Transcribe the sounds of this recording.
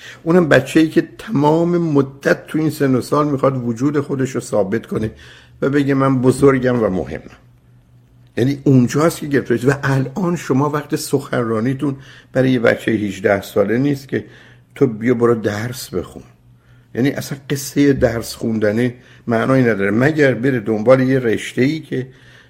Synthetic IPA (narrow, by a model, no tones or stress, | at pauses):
ʔuːnhæmbæt͡ʃʰːejiːcʰe̞t̪ʰæmɒːme̞mod̪ːæt̪ʰːuiːnsend̪osɒːlmixɒd̪vod͡ʒuːd̪e̞xo̞d̪eʃɾosɒːbe̞t̪kʰo̞ne | væbe̞ɟemænbozoɾɟæmvæmo̰hḛmːæm | jæniːʔund͡ʒɒːst̪cʰeɟeeft̪ɒisvæʔælʔɒːnʃomɒːvæqt̪esoxænrɒːniːt̪unb̥æɾɒːjebæ̰t͡ʃʰːejehiʒd̪æhsɒːle̞niːst̪cʲʰe̞ | t̪ʰobijoboɾod̪æɾsbe̞̰xṵn | jæ̰ːniʔæ̰sænqe̞sːejed̪æɾsxund̪æni | mæʔnɒːinæd̪ɒːɾemæɟæɾbe̞ɾed̪ombɒːle̞jeɾeʃt̪e̞iːcʰe̞